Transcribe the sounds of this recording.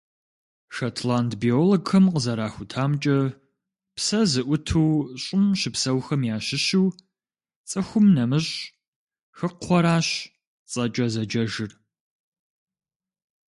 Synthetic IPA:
ʃatʰlaːntʰbioːloɡxɐmqəzɐɾaːxʷʊtʰaːmt͡ʃʼɐ | psɐzɨʔʷʊtʰuːɕʼɪmʃɪpsɐwxɐmjaːʃɪʃiw | t͡sʼɨxʷʊmnɐmɨɕ | xɨqʰʷɔɾaːɕ | t͡sʼɐt͡ʃʼɐzɐd͡ʒɐʒɨr

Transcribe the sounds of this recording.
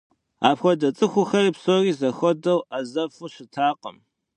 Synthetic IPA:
aːpxʷɔdɐt͡sʼɨxʷʊxɐriːpsoːriːzɐxʷɔdɐwɐzɐfuɕɪtʰaːqə̰m

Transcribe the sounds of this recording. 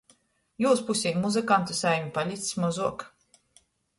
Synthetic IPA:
juːspusʲimuzɨkant̪usajmʲipalʲit̪ssmɔzuɔk

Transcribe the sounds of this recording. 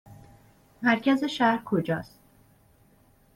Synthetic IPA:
mæɾcʰæze̞ʃæɾkʰo̞d͡ʒɒ̰ːst̪̚

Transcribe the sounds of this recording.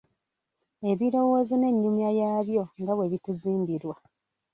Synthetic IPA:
e̞βiɾo̞wo̞ːzine̞ɲːumjajaːβjo̞ŋɡaβwe̞βituziːmbiɾwa

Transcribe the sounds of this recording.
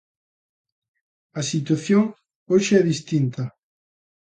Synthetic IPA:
asit̪waθjoŋ | oʃɪɛðist̪int̪a

